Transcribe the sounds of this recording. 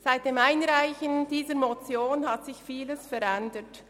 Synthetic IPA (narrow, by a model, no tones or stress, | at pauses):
z̥aɪt̚d̥eːmaɪnɾaɪçənd̥iːzəmot͡sjoːnhɑtsɪçfiːləsfɛɾɛndət